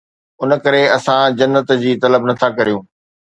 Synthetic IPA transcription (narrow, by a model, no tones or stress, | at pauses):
ʊnəkɐɾeɐsãd͡ʑɐnːət̪d͡ʑiːt̪ɐləbnɐt̪ʰakɐɾijũː